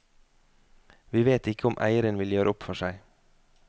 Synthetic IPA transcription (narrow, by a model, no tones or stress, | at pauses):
ʋiːʋeːt̪ɪkəʊmʔæ̰ɪəɾənʋɪljøːɾəʊpfɔʃæɪ